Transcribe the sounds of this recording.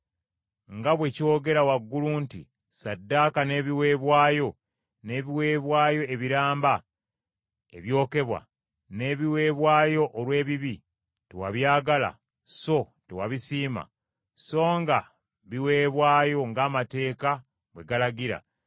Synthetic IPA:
ŋɡaβwe̞cio̞ɡe̞ɾawaɡːuluntḭ | sadːaːkane̞ːβiwe̞ːβwaːjo̞ | ne̞ːβiwe̞ːβwaːjo̞eβiɾaːmba | e̞̰βjo̞ːke̞βwa̰ | ne̞ːβiwe̞ːβwaːjo̞ʔːlwe̞ːβiβi | tewa̰βjaːɡala̰ | so̞ | tewaβisiːma̰ | so̞ːŋɡa | βiwe̞ːβwaːjo̞ŋɡaːmate̞ːka | βwe̞ɡalaɡiɾa̰

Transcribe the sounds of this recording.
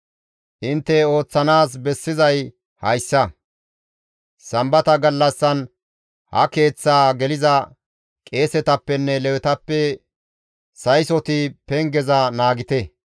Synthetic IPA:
ʔɪnt̪ːɛo̞ːt͡sːɐnaːs̬bɛsːɪzɐj | hɐjsːɐ | sɐmbɐt̪ɐɡɐlːɐsːɐn | hɐ̰ke̞ːt͡sːaːɡɛlɪzɐ | kʼe̞ːsɛt̪ɐpːɛnːɛlɛwɛt̪ɐpːɛ | sɐjsɔt̪ɪpɛŋɡɛzɐnaːɡɪt̪ɛ

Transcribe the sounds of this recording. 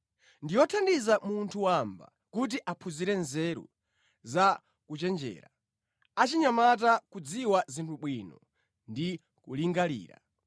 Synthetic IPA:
ndijɔtʰandizamuntʰuwamba̰ | kut̬iʔapʰuziɾɛnzɛɾṵ | za | kut͡ʃɛnd͡ʒɛ̰ːɾa | at͡ʃiɲamat̬akud͡ziwazintʰuɓwinɔ | ndi | kuliŋɡalḭːɾa̰

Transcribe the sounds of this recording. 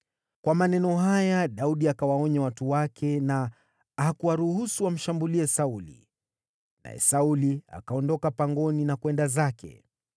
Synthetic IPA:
kwamanɛnɔɦajaɗauɗiakawaɔɲawatuwakʰɛna | hakuwaɾuhusuwam̩ʃambuliɛsaulḭ | na̰jɛ̰saulia̰kaɔndɔkapaŋɡɔninakwɛndazakʰɛ̰

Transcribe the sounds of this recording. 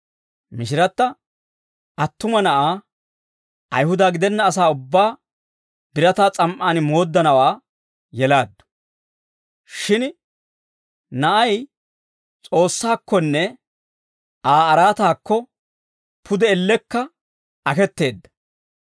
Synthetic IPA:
mɪʃɪɾɐt̪ːɐ | ʔɐt̪ːʊmɐnɐʔaː | ʔɐ̰jhʊd̪aːɡɪd̪ɛnːɐːs̬aːʊbːaː | b̥ɪɾɐt̪aːt͡sʼɐmʔaːnmo̞ːd̪ːɐnɐwaː | jɛlaːd̪ːʊ̥ | ʃɪn | nɐʔɐj | t͡sʼo̞ːsːaːkːɔnːɛ | ʔaːɐɾaːt̪aːkːɔ | pʰʊd̪ɛɛlːɛkːɐ | ɐkɛt̪ːe̞ːd̪ːɐ̥

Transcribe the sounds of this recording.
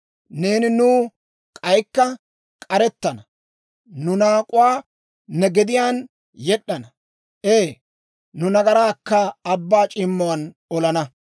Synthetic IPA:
ne̞ːnɪnuː | kʼɐjkːɐ | kʼɐɾɛt̪ːɐnɐ | nʊnaːkʼʊwaː | nɛɡɛd̪ɪjaːn | jɛɗːɐnɐ | eː | nʊnɐɡɐɾaːkːɐːbːaːt͡ʃʼɪmːɔwɐn | ɔlɐnɐ

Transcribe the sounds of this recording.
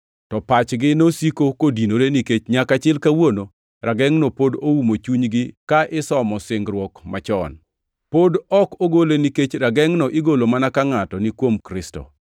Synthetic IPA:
tɔpat͡ʃɡɪnosikokodinoɾeniket͡ʃɲakat͡ʃɪlkawono | ɾaɡɛŋnopodoumot͡ʃuɲɡɪkaʔɪsɔmɔsɪŋɡɾwɔkmat͡ʃɔ̰n | podɔkoɡoleniket͡ʃɾaɡɛŋnɔʔɪɡolomanakaŋatɔnɪkwomkɾɪstɔ̰

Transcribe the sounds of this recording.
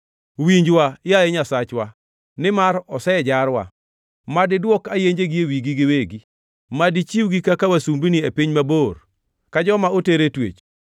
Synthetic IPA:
wiɲd͡ʒwajajɛɲasat͡ʃwa | nɪmaɾɔsɛd͡ʒaɾwa̰ | madɪdwɔkajeɲd͡ʒeɡiewiɡiɡɪweɡi | madit͡ʃiwɡikakawasumbiniepiɲmabor | kad͡ʒɔmaoteɾetwḛt͡ʃ

